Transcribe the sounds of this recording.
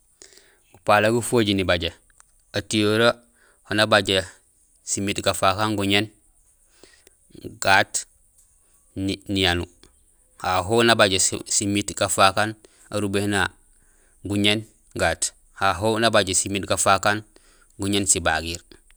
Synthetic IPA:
ɡupalaɡufoɟinibaɟe | atijoɾa | honabaɟe | simitɡafakanɡuɲen | ɡ̥aːt | nijanu | haɦonabaɟesimitɡafakan | aɾubehna | ɡuɲen | ɡaːt | haɦonabaɟesimitɡafakan | ɡuɲensiba̰ɡiɾ

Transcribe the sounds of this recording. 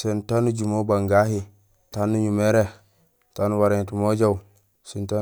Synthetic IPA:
sentanud͡ʒumobaŋɡaɦi | tanːuɲumeɾe | tanuwaɾentumod͡ʒaw | sinta

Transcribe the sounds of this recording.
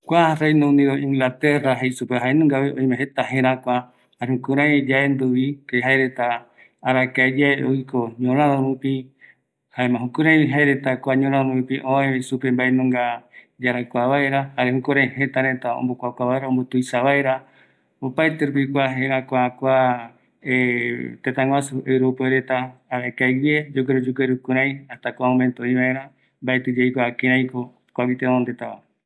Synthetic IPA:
kʷarejnõũnĩɾoĩŋɡlat̪eraɦejsupeɦaenũŋɡaβeʔõĩmẽɦet̪aɦẽɾ̃ãkʷa | haɾehũkuɾãjd͡ʒaend̪uβikeɦaeɾet̪aː | ɾakaed͡ʒaeʔojkʰoɲõɾ̃ãðõɾupi | haemãɦũkuɾ̃ãj̃ĩɦaeɾet̪akʷaɲõɾ̃ãomoɾupiʔõẽsupembaenũŋɡa | d͡ʒaɾakʷaβaeɾahaɾehukoɾeɦe̞t̪aɾet̪aõ̰mbokʷakʷaβaeɾaombot̪ujsaβaeɾa | opaet̪eɾup̬ikʷaɦeʔakʷakʷa | et̪et̪ãŋɡwasuewɾopeɾet̪aːɾekajwied͡ʒok̬eɾod͡ʒukeɾukɨ̃ɾãj̃aht̪akʷaõmẽnt̪oĩβaẽɾã | mbaet̪ɨd͡ʒejkʷakẽɾ̃ãj̃ko | kʷaβit̪enõnd̪et̪aβa

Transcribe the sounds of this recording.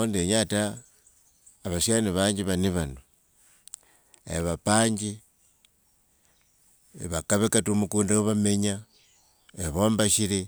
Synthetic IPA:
ondeɲata | βaʃjaniβaːɲd͡ʒiβaniβano | ḛβapaːɲd͡ʒi | βakaβekatumukuːndawoβame̞ɲa | eβoːmbaʃiɾe

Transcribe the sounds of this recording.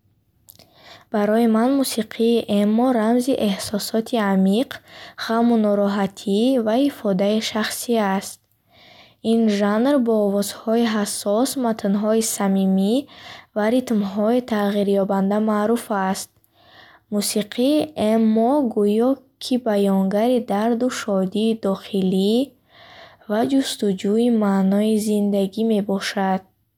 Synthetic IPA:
b̥aɾɔjimanmusiqʰiːʔemɔɾamziʔe̞hsɔsɔt̪ʰiamiqʁamunɔɾɔɦat̪ʰivaifɔd̪aiʃaχsiast̪̚ | inʒanɾbɔːvɔz̥hɔiɦasːɔsmat̪ʰnɦɔisamimivaɾit̪mɦɔit̪ʰaʁiɾjɔband̪amaːɾufast̪̚ | musiqʰiemːɔɡujɔkʰibajɔŋɡaɾid̪aɾd̪uʃɔd̪iːd̪ɔχili | vad͡ʒust̪ud͡ʒuimanɔizind̪aɡime̞bɔʃad̪̥̚

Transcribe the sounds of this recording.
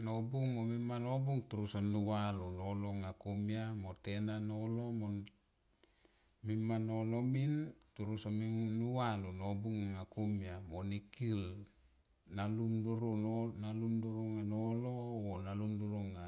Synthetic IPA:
nobuŋmomimanobuŋtuɾusanuwalonoloŋakumiamotenanolomo | mimanolomintuɾusaminuwalonobuŋŋakumiamonikil | nalumduɾunonalumduɾuŋanoloonalumduɾuŋa

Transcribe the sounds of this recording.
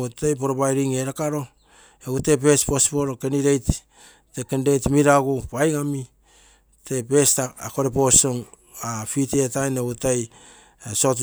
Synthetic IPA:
utejp̬o̞ɾobajɾiŋeɾakaɾo̞ | eɡutep̬e̞spo̞spoɾokeniɾejt | tekendejtmiɾaɡupajŋami | te̞pe̞staako̞ɾepo̞soŋ | afitetajneɡutaj | so̞t̬u

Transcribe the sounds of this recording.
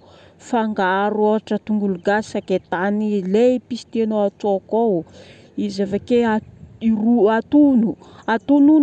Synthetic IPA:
faŋɡaɾoʈ͡ʂət̪uŋɡuluɡasaket̪anilepisi̥t̪enoat͡sokow | izavakeaiɾuat̪unuat̪unun

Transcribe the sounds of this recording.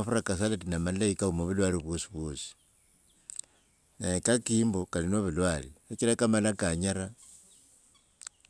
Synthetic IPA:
afuɾakas̬alatinamalaikaumoβulwaɾiβosiβoːsi̥ | naikakiːmbokalinoβulwaliet͡ʃilakamalakaɲaɾa

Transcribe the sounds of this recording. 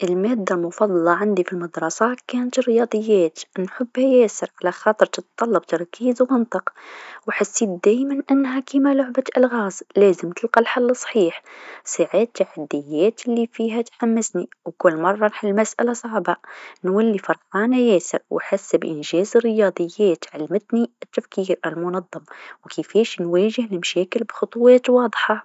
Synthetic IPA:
ʔɪlmæːd̪ːalmʊfɑd̪ˤɑlɑʕand̪ifilmɑd̪ɾˤɑsɑt̪kæːnt̪rɪjɑːd̪ˤɨjːæːt̪nħʊbːhajæːsɪɾʕalaxɑːt̪ˤɨɾˤt̪ɨt̪t̪ːˤɑlːɑbt̪ɑɾˤkiːzwmɪnt̪ˤɨqwħasːiːt̪̚d̪æːjmanʔanːɦakiːmalʊʕbat̪ʔalɣaːzlæːzɪmt̪ɪlqɑlħalːɨsˤħiːħsaʕaːt̪ːaħad̪ːɪjːeːt̪lːifiːɦat̪ħamːɪsniwkʊlːmɑrˤːɑnħalmasʔa̰lasˤɑʕbanwɪlːifɑɾˤqɑːnajaːsɪɾwħasːbʔɪnʒeːzɪrːɪjɑːd̪ˤɨjːeːt̪ʕalmɪt̪niɪt̪ːafkiːɾʔɪlmʊnɑðˤːɑmwkɪfeːʃnweːʒɪhlmʃæːkɪlbxʊt̪ˤwɑːt̪wɑːd̪ˤħɑ

